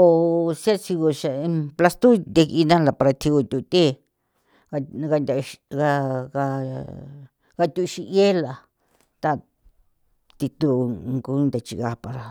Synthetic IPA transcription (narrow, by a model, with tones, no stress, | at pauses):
o˧˨sja˦si˧ɣo˧ʃa˧pla˧st̪u˦nd̪e˧ki˧nã˦la˨pa˧ɾa˧t̪ʰi˧ɣu˧t̪ʲu˧˨˧t̪e˦ | a˧ɣa˧nd̪a˧a˧ɣa˧ | ɡa˧t̪u˧ʃi˧ʔe˦la˨ | t̪a˧ | t̪i˧t̪u˧ŋɡu˧˦nd̪a˨t͡ʃḭ˧ɣa˧pa˧ɾa˧